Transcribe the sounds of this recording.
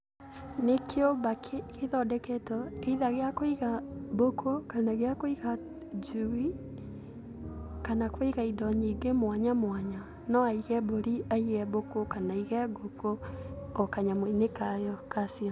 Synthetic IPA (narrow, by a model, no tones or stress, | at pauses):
nekʰeombakeðɔdɛkɛtɔeiðaɣeakoiɣabokʰokanaɣeakoiɣa | d͡ʒuwi | kanakwiɣaidɔɲiɡemwaɲamwaɲa | nɔaiɣɛboɾiaiɣɛbokokanaiɣɛɡokoː | kaɲamwinekajɔkasia